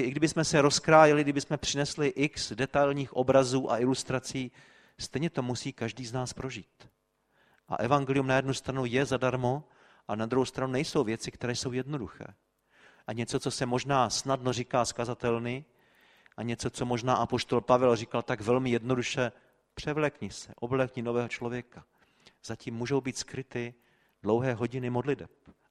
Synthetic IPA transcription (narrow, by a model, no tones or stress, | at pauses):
ʔɪɡdɪbɪsmɛsɛɾo̞skɾaːjɪlɪɡdɪbɪsmɛpr̝̥ɪnɛslɪʔɪksdɛt̪ajlɲiːxʔo̰bɾazuːʔa̰ʔɪlust̪ɾat͡siː | st̪ɛjɲɛt̪o̞musiːkaʒdiːznaːspɾo̞ʒiːt̪ | ʔa̰ʔɛvaŋɡɛlɪjumnajɛdnust̪ɾanujɛzadaɾmo | ʔanad̪ɾuɦowst̪ɾanunɛjso̞wvjɛt͡sɪkt̪ɛɾɛːjso̞wjɛdno̞duxɛ̰ː | ʔaɲɛt͡sot͡so̞sɛmo̞ʒnaːsnadno̞rikaːskazat̪ɛlnɪ | ʔaɲɛt͡so̞t͡so̞moʒnaːʔapo̞ʃt̪olpavɛlrikalt̪aɡvɛlmɪjɛdno̞duʃɛ | pr̥ɛvlɛkɲɪsɛʔovlɛkɲɪno̞vɛːɦo̞t͡ʃlovjɛka | z̥aciːmːuːʒo̞wbiːt̪skɾɪt̪ɪ | dlowɦɛːɦo̞ɟɪnɪmo̞dlɪdɛp̚